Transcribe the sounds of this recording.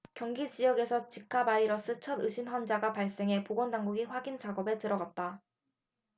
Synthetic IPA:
kjʌŋɡid͡ʑijʌɡe̞sʰʌt͡ɕik͈ʰːabaiɾʌs͈ʰɯt͡ɕʰʌdɯɕʰinɦʌnd͡ʑaɡapaɭs͈e̞ŋɦe̞poɡwʌndaŋɡuɡiɸwaɡind͡ʑaɡʌbe̞tɯɾʌɡat̚t͈a

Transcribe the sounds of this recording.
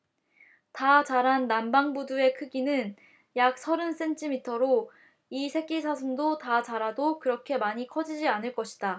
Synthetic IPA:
tat͡ɕaɾɦanːambaŋbudue̞kʰɯɡinɯn | jak̚sʰʌɾɯns͈e̞ntʰimitʰʌɾo | isʰe̞k͈isʰas̬ʰɯmdotat͡ɕaɾadokɯɾʌkʰe̞maɲikʰʌd͡ʑid͡ʑianɯɭk͈ʌɕʰi̥d̥a

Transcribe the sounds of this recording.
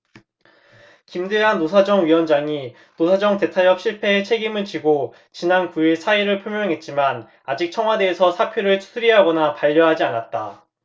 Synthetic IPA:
kimdeɦanːosʰad͡ʑʌŋɥiwʌnd͡ʑaŋi | nosʰad͡ʑʌŋte̞tʰajʌp̚ɕ͈ʰiɭpʰe̞ɦet͡ɕʰe̞ɡimɯɭt͡ɕiɡo | t͡ɕinankuiɭsʰaiɾɯɭpʰjomjʌŋɦe̞t̚t͡ɕ͈iman | ad͡ʑik̚t͡ɕʰʌŋɦwade̞ːsʰʌsʰapʰjoɾɯɭʰsʰɯɾiɦaɡʌnapaʎːʌɦad͡ʑianat̚t͈a̰

